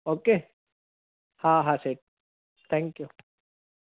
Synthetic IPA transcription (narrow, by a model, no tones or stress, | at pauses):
oːke | haɦaseʈ̚ | t̪ʰɛ̃ŋkju